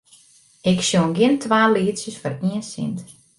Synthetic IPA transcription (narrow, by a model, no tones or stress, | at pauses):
ɪksjonɡɪəntʰʋaːliːsjəsfɔriənsḭnt